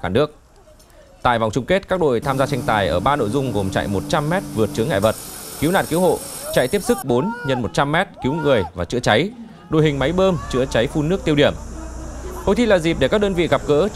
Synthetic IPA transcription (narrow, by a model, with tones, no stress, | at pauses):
xaː˧˩nɨ˦˥ək̚ | t̪a̰ː˧˨jva̰˧˨wŋ͡mt͡ɕʊ˧ŋ͡mke˦˥t̚kaː˦˥k̚ɗo̰˧˨jt̪ʰaː˧mzaː˧t͡ɕa˧jŋ̟t̪aː˨˩jʔəː˧˩ɓaː˧no̰˧˨jzʊ˧ŋ͡mɣo˨˩mt͡ɕa̰˧˨jmo˨˩t̚t͡ɕa˧mːɛ˦˥t̚vɨ˨˩ət̚t͡ɕɨ˨˦əŋːa̰˧˨və˨˩t̚ki˨˦wna̰˧˨nki˨˦who̰˧˨t͡ɕa̰˧˨jt̪i˦˥əp̚sɨ˦˥k̚ɓo˨˦nɲə˧nmo˨˩t̚t͡ɕa˧mːɛ˦˥t̚ki˨˦wŋɨ˨˩əjvaː˨˩t͡ɕɨ̰˧˥ət͡ɕa˨˦j | ɗo̰˧˨jɦï˨˩ŋ̟ma˨˦jɓəː˧mt͡ɕɨ̰˧˥ət͡ɕa˨˦jfu˧nɨ˦˥ək̚t̪i˧əwɗi˧˩əm | ho̰˨˧˨jt̪ʰi˧laː˨˩zi˨˩p̚ɗe˧˩kaː˦˥ɗəː˧nvḭ˧˨ɣa˨˩p̚kəː˧˦